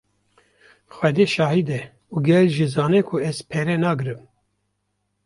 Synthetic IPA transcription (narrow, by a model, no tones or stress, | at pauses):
xʷwɛd̪eːʃɑːhid̪ɛ | uːɡɛlʒizɑːnɛkʰʊɛz̥pʰɛɾɛnɑːɡɨɾɨm